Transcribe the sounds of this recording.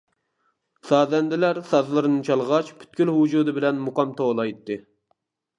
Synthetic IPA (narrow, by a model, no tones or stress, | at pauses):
sɑːzɛnd̪ɪlæɾsɑzlˠɨɾɨnɨt͡ʃʰɑlˠʁɑt͡ʃpʰy̥t̪̚kʲylɦud͡ʒuːd̪ɨbɪlɛnmuqɑmt̪ʰolˠɑjt̪ːɨ